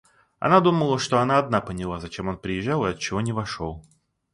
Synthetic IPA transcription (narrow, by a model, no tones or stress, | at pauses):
ɐ̰nad̪uməlˠəʂt̪o̞ɐnaɐd̪napənʲɪlˠazɐt͡ɕemo̞npɾʲɪjɪʒːalˠɨɐt̪̚t͡ɕɪvo̞nʲɪvɐʂolˠ